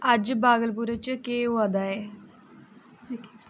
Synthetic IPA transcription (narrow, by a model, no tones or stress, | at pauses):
ɐd͡ʑbaːɡəlp̬uɾət͡ɕəkeːʋad̪ae